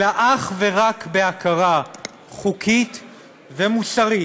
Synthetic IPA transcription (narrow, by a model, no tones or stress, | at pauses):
laʔaχveʁakbeakaʁa | χukʰit̪ | vemusaʁi